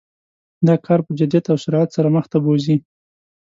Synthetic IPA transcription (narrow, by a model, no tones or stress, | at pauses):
d̪ɑkʰɑɾpəd͡ʒɪd̪ijat̪awʃʊɾɑat̪saɾaməxt̪abozi